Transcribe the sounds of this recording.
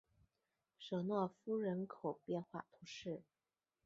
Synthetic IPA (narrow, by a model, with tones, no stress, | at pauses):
ʂɤ˨˩nwɔ˥˩fu˥ɻə˧˥nkʰo˨˩ʊpjɛ˥˧nxwa̰˥˩t̪ʰu˧˥ʂɻ̩˥˩